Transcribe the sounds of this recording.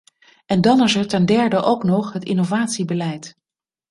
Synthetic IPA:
ɛndɑnɪsəɹtɛndɛɹdəʔowknɔχɦətɪnovaːtsibəlɛjt

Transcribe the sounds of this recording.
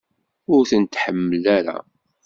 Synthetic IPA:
ʊɾθənt̪ħəmːəlæɾa̰

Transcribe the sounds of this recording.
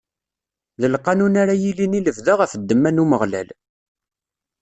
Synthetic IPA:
ðəlqɑnunaɾajiliniləvðəʁæfəd̪ːəmːænuməʁlæ̰l

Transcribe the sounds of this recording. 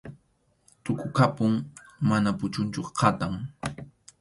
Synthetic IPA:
t̪ʊkʊkapʊŋmanapʊt͡ʃʊnt͡ʃʊqʰɑt̪aŋ

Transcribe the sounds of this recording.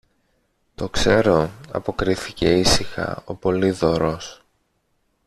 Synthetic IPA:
t̪o̞kse̞ɾo̞ɐ̰po̞kɾiθice̞isixɐ̰o̞po̞liðo̞ɾo̞s

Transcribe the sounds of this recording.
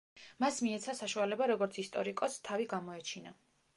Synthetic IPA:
masmiɛt̪sʰasaʃualɛbaɾɔɡɔɾt̪sʰist̪ʼɔɾikʼɔst̪ʰaviɡamɔɛt͡ʃʰina

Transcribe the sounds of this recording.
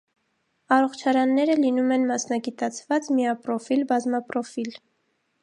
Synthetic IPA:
ɑrɔχt͡ʃʰɑɾɑnːɛɾəlinumɛnmɑsnɑɡit̪ɑt͡sʰvɑt͡smiɑpɾɔfilbɑzmɑpɾɔfil

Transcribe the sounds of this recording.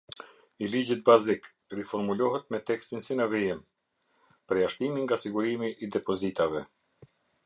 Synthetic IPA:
ilid͡ʑit̪̚bazik | rifɔɾmulɔɦɛt̪̚mɛt̪ɛkst̪insinəvɛjɛm | pəɾjaʃt̪imiŋɡasiɡuɾimiʔːd̪ɛpɔzit̪avɛ

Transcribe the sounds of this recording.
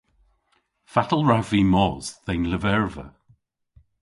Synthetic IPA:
fatəl̩ˠɹaviːmɔz̥θenləvɛɹvə̰

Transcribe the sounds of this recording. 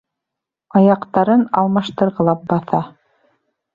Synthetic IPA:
ɑjɑqt̪ɑɾɤnɑlˠmɑʃt̪ɤ̆ɾʁɤ̆lˠɑp̚bɑθɑ

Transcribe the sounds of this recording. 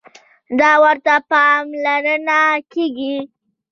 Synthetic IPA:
d̪ɑwəɾt̪apɑmlaɾənakeɡi

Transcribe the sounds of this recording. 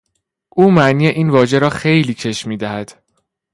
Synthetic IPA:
ʔuːmæʔniːjeʔiːnvɒːʒe̞ɾɒːxe̞jliːcʰe̞ʃmiːd̪æhæd̪̥

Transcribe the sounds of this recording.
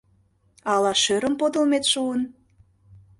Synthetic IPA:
ɑlɑʃøɾə̆mpod̪ə̆lmet̪ʃuən

